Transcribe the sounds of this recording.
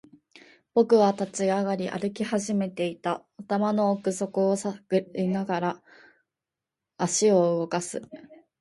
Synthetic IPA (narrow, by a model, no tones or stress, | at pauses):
b̥o̞kɯ̟βat̪at͡ɕiaɡaɾʲiʔa̰ɾɯ̟kʲihaʑime̞t̪e̞it̪a | ot̪amano̞ːkɯ̟so̞kɯ̟osainaɡaɾa | ɕio̞ɯɡo̞kasɨ̰